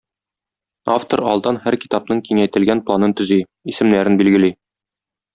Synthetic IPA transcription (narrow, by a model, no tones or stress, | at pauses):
a̰ft̪oɾɒ̰lˠd̪ɑnhæɾki̥t̪ɑpnɤŋkiŋæjt̪ɘ̆lɡænplˠanɤnt̪ɵ̆zi | isɘ̆mnæɾɘnbilɡɘ̆li